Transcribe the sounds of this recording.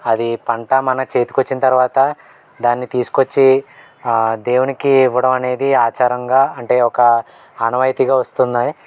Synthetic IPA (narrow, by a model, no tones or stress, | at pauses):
ɐd̪ipɐɳʈɐmɐnɐt͡ʃe̞ːt̪u̥kot͡ʃːinɐt̪ɐɾuʋaːt̪ɐ | d̪aːnːit̪iːsu̥kot͡ʃːi | d̪e̞ːwunikiːʋɐɽɐmɐne̞ːd̪iaːt͡ʃaːɾɐŋɡaːɐɳʈe̞ːɔkɐ | ɐnɐʋɐjt̪iɡaːʋɐst̪und̪aːji